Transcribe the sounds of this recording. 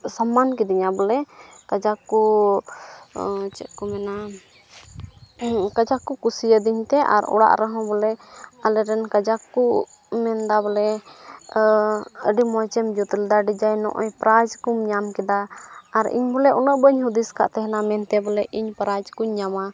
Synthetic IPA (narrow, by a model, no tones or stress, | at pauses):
samːankid̪iɲabɔlɛkad͡ʒaku | t͡ʃɛʔ̪̚kɔmɛna | kad͡ʒakːukusiəd̪iɲt̪ɛʔa̰ɾɔ̰ɽa̰ʔɾəɦɔ̃bɔlɛalɛɾɛnkad͡ʒakːu | mɛnd̪abɔlɛ | əɖimɔjt͡ʃɛmd͡ʒut̪lɛd̪aɖid͡ʒajnɔ̰ʔɔɲpɾad͡ʒkumɲamkɛd̪aːɾḭɲbɔlɛʔɔnəʔbəɲɦud̪iska̰ʔt̪ɛɦɛnamɛnt̪ɛbɔlɛʔiɲpɾad͡ʒkuɲːama